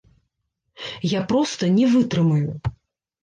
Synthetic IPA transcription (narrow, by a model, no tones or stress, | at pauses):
japɾɔst̪ɐnʲɛvɨt̪ɾɨmɐju